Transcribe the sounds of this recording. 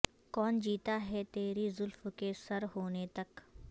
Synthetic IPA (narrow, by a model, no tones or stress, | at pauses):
kɔːnd͡ʒiːt̪aɦɛt̪eːɾizʊlfkesɐɾɦoːnet̪ɐk